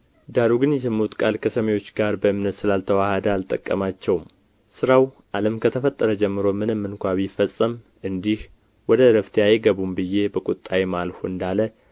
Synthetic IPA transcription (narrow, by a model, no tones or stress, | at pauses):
d̪aɾuɡɨnjɛsɨmut̪ʼkʼalkʰəsəməjwo̞t͡ʃːɡaɾbəɨmnət̪sɨlalt̪ʰəwahd̪əalt̪ʼəkʼːə̰mat͡ʃːɛwm | sɨɾawʔaləmkʰət̪ʰəfət̪ʼːəɾəd͡ʒɛmːɨɾomɨnɨmːɨnkʷaβifəsʼəm | ʔɨnd̪ih | wɔd̪əɾəft̪ʰejajɛɡəβumbɨje̞bəkʼut̪ʼːajemalfuɨnd̪alə